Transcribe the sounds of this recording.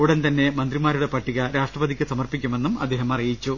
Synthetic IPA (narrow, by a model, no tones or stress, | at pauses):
uɽɐnt̪ɐnːe̞mɐnd̪rimaːɾuɽe̞pɐʈːiɣɐɾaːʂʈrɐʋɐd̪ʱikʲːɨsɐmɐrpikʲːume̞nːumɐ̰d̪ːe̞ːɦɐmɐrijit͡ɕːu